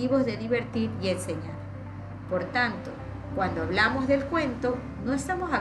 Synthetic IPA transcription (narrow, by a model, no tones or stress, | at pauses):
iβo̞zðe̞ðiβe̞ɾt̪iɾienseɲaɾ | poɾt̪ant̪o̞ | kwand̪oaβlamo̞zðe̞lkwe̞nt̪o̞ | no̞est̪amosa